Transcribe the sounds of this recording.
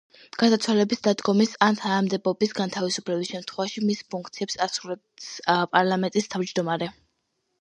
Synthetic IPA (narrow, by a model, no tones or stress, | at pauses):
ɡ̥asat̪sʰwalɛbisd̪ad̪ɡɔmisant̪ʰanamd̪ɛbɔbisɡant̪ʰavisupʰlɛbisʃɛmt̪ʰχwɛvaʃimispʰuŋkʰt̪sʰiɛpsasuɾɛ | pʼaɾlˠamɛnt̪ʼist̪ʰavd͡ʒd̪ɔmaɾɛ